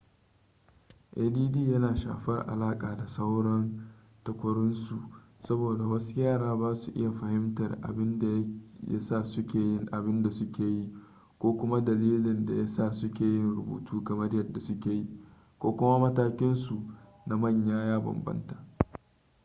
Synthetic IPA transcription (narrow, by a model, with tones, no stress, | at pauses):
ʔeː˨diː˦diː˦˨jɐ˦naː˨ʃa̰ː˨ɸɐ˦rʔa̰˨laː˦kʼaː˨da˨sɐ˦wɽɐ˦n | tɐ˨kʷɐ˦ɽʊ˦nsu˨ | sɐ˦boː˨da˨wɐ˦su˦jaː˦˨ɽaː˦baː˦su˨ʔɪ̰˦ja˨ɸɐ˨hɪ˦mtɐ˨rʔa̰˨bɪ˦nda˨˦a̰˦sa˦˨sʊ˦kʲeː˨˦nʔa˨bɪ˦nda˨sʊ˦kʲeː˨ji˦ | kʷoː˦kʷʊ˦ma˦dɐ˨liː˦lɪ˨nda˨ja˦sa˦˨sʊ˦kʲeː˨jɪ˦nɽʊ˨bṵː˨tʰuː˦kɐ˨mɐ˦rjɐ˨rda˨sʊ˦kʲeː˨ji˦ | kʷoː˦kʷʊ˦ma˦mɐ˦taː˦kʲɪ˦nsu˨ | na˨mɐ˦˨ɲjaː˦jaː˦bɐ̰˨mbɐ̰˦ntaː˨